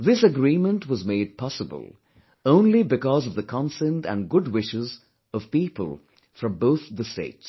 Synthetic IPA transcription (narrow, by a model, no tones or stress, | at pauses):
ðɪsɨɡɾĩmə̃ntwʌzmeɪd̚pʰɑsəbə̰lˠ | õʊ̃nlibɨkɔzʌvðəkʰɑ̃nsɛ̃ntə̰̃nɡʊd̚wɪʃɪz | ʌv̥piːpə̰lˠ | fɹʌ̃mboʊθðəstḛɪts